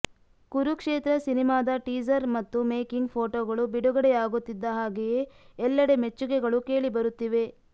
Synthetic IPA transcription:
kuɾukʂeːt̪ɾɐsinimaːd̪ɐʈiːd͡ʒɐɾmɐt̪ːume̞ːkiŋɡpʰoːʈoːɡɐɭubiɽuɡɐɽɛjaːɡut̪ːid̪ːɐɦaːɡejeːɛlːɐɽe̞met͡ʃːuɡɛɡɐɭuke̞ːɭibɐɾut̪ːiʋe̞

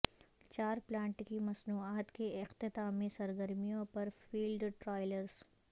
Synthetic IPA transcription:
t͡ʃaːɾplãːɳʈkimɐsnuːaːt̪keɪqt̪ɪt̪amẽsɐɾɡəɾmijõpɐɾfiːlɖʈɾaːɪləɾz

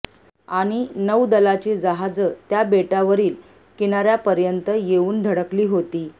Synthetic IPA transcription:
aɽ̃inəwd̪əlat͡ɕid͡zəɦad͡zət̪jabeʈaʋəɾiːl | kiñaɾjapəɾjənt̪əjeuːnd̪ʱəɽəkliːɦot̪iː

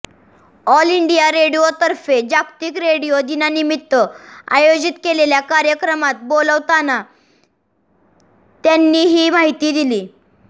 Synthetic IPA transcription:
ɔliɳɖijaɾeɽijot̪əɾfed͡ʑakt̪iːkɾeɽijod̪inanimit̪ːəa̰jod͡ʑit̪keleljakaɾjəkɾəmat̪̚boləʋt̪ana | t̪janːiːɦiːmaɦit̪iːd̪iliː

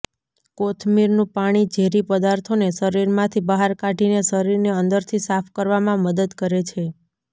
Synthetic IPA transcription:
kot̪ʰmiɾnũpaɽ̃id͡ʒʱeɾipəd̪aɾt̪ʰonesəɾiɾmãt̪ʰibaɦaɾkaʈinesəɾiɾneənd̪əɾt̪ʰisafʰkəɾʋamãməd̪əd̪kəɾet͡ʃʰe

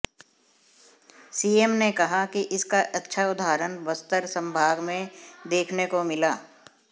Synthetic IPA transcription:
siːeːmnekɐɦakiʔɪskaʔɐtːʃʰaʊd̪ʱaːɾənʋəst̪əɾsə̃mbʱaːɡmẽd̪eːkʰnekomɪlaː

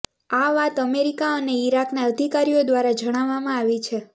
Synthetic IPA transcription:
aʋat̪əmeɾikaəneiɾaknaəd̪ʱikaɾijod̪ʋaɾad͡ʒəɽ̃aʋːamãaʋit͡ʃʰe

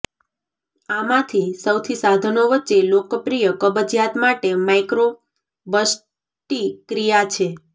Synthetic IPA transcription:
amãt̪ʰisəwt̪ʰisad̪ʱənoʋətːʃelokəpɾijəkəbəd͡ʒjat̪maʈemajkɾo | bəs | ʈikɾijat͡ʃʰe

